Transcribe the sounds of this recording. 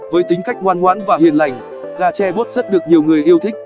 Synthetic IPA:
vəː˨˦jt̪ï˨˦ŋ̟ka˦˥jk̚ŋwaː˧nŋwaː˨˦nvaː˨˩hi˨˩ənla˨˩jŋ̟ | ɣaː˧t͡ɕɛ˧ɓo˦˥t̚z̥ə˦˥t̚ɗɨ˨˩ək̚ɲi˨˩əwŋɨ˨˩əjʔi˧əwt̪ʰï˦˥k̟̚

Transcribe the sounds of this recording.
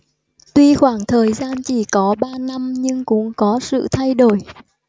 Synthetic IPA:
t̪wi˧xwaː˧˩ŋt̪ʰəː˨˩jzaː˧nt͡ɕi˧˩kɔ˨˦ɓaː˧na˧mɲɨ˧ŋkʊ̰˧˥ŋ͡mkɔ˨˦sɨ̰˧˨t̪ʰa˧jɗo˧˩j

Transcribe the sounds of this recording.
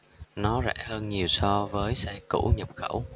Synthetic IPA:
nɔ˨˦zɛ̰˧˥həː˧nɲi˨˩əwsɔ˧vəː˨˦jsɛ˧kṵ˧˥ɲə˨˩p̚xə˧˩w

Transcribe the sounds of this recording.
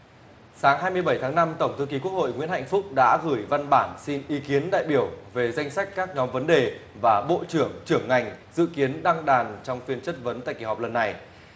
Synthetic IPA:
saː˨˦ŋɦaː˧jmɨ˧əjɓə˧˩jt̪ʰaː˨˦ŋna˧mt̪ə˧˩wŋ͡mt̪ʰɨ˧k̬i˨˦ku˦˥ək̚ho̰˧˨jŋwḭ˧˥ənha̰˧˨jŋ̟fʊ˦˥k͡p̚ɗa̰ː˧˥ɣɨ˧˩əjva˧nɓaː˧˩nsi˧nʔi˨˦ki˨˦ənɗa̰ː˧˨jɓi˧˩əwve˨˩za˧jŋ̟sa˦˥k̟̚kːaː˦˥k̚ɲɔ˨˦mvə˨˦nɗe˨˩vaː˨˩ɓo̰˧˨t͡ɕɨ˧˩əŋt͡ɕɨ˧˩əŋːa˨˩jŋ̟zɨ̰˧˨ki˨˦ənɗa˧ŋɗaː˨˩nt͡ɕɔ˧wŋ͡mfi˧ənt͡ɕə˦˥t̚və˨˦nt̪a̰ː˧˨jki˧˩hɔ˨˩k͡p̚lə˨˩nːa˨˩j

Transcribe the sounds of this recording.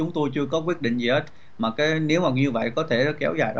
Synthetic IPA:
ʊ˨˦ŋ͡mt̪o˧jt͡ɕɨ˧əkɔ˨˦kwi˦˥ət̚ɗḭ˧˨ŋzi˨˩he˨˦˥t̚ | maː˨˩kaː˨˦jne˨˦wmaː˨˩ɲɨ˧və̰˧˨jkɔ˨˦t̪ʰe˧˩˨kɛ˨˦wzaː˨˩jɗɔ˨˦

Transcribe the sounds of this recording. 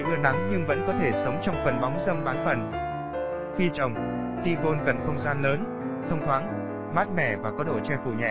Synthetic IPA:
ɗɨ˧əna˨˦ŋɲɨ˧ŋvə̰˧˥nkɔ˨˦t̪ʰe˧˩sə˨˦wŋ͡mt͡ɕɔ˧wŋ͡mfə˨˩nɓa˨˦wŋ͡mzə˧mɓaː˨˦nfə˨˩n | xi˧t͡ɕə˨˩wŋ͡m | xi˧ko˧nkə˨˩nxə˧wŋ͡mzaː˧nləː˨˦n | t̪ʰə˧wŋ͡mt̪ʰwaː˨˦ŋ | maː˦˥t̚mɛ̰˧˩˨vaː˨˩kɔ˨˦ɗo̰˧˩t͡ɕɛ˧fṵ˧˩ɲɛ̰˧˩˨

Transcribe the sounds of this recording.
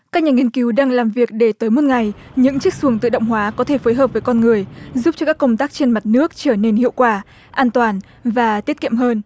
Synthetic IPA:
kaː˦˥k̚ɲaː˨˩ŋi˧ənki˨˦wɗaː˧ŋlaː˨˩mvi˨˩ək̚ɗe˧˩t̪əː˨˦jmo˨˩˥t̚ŋa˨˩jɲɨ̰˧˥ŋt͡ɕɨ˦˥ək̚su˨˧˩əŋt̪ɨ̰˧˨ɗə̰˧˨wŋ͡mɦwaː˨˦kɔ˨˦t̪ʰe˧˩foː˨˦jɦəː˨˩p̚vəː˨˦jkɔ˧nŋɨ˨˩əjzu˦˥p̚t͡ɕɔ˧kaː˦˥kːə˧wŋ͡mt̪aː˦˥k̚t͡ɕe˧nma˨˩t̚nɨ˦˥ək̚t͡ɕəː˧˩ne˧nhḭ˧˨əwkwaː˧˩ | ʔaː˧nt̪waː˨˩n | vaː˨˩t̪i˦˥ət̚kḭ˧˨əmɦəː˧n

